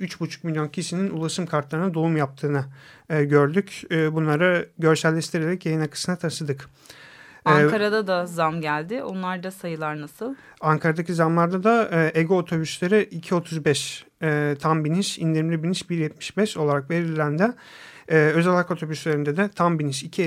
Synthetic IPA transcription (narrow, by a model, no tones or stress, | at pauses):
yt͡ʃbut͡ʃʰu̥k̚milʲjo̞ncʰiʃininulˠaʃɯmkʰaɾt̪lˠaɾɯnad̪oumjap̚t̪ʰɯːnɯːɟøɾd̪ycːbunlˠaɾɯɟø̞ɾsælʲːɛʃt̪ʰiɾeɾɛcjajɯnakʰɯ̥sɯnat̪ʰaʃɯd̪ɯkː | kaɾad̪ad̪azamɟælʲd̪ɪʔonlˠaɾd̪asajɯlˠaɾnasɯlˠ | aŋkʰaɾad̪acʰizamlˠaɾd̪ad̪aʔeɡo̞ːt̪ʰo̞byslʲeɾɪʔicʰio̞t̪ʰuzbɛʃː | t̪ʰambiniʃind̪iɾmlʲibiniʃbiɾjɛt̪̚mi̥ʃbɛʃo̞lˠaɾakve̞ɾilʲːænd̪ɛː | ø̞zalʲhako̞t̪ʰo̞byslʲeɾind̪ɛd̪ɛt̪ʰambiniʃicʰi